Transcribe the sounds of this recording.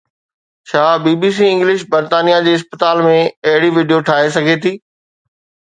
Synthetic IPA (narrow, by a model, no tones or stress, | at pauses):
t͡ɕʰaːbiːbiːs̬iɪ̃ŋɡlɪʃbɐɾt̪aːnijad͡ʑeːɪs̬pət̪aːlmẽɐɦɪɽiʋɪːɖijoʈʰaːɦesɐɡʱet̪ʰiː